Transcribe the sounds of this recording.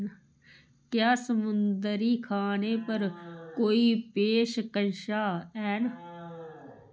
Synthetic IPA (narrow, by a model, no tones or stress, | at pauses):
kjaːsəmʊnd̪əɾiːkʰaːneːpəɾkoːiːpeːʃkənʃaːɛːn